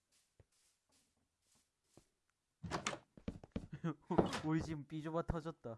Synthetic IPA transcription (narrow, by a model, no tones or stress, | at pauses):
oid͡ʑimp͈id͡ʑobatʰʌd͡ʑʌt̚t͈a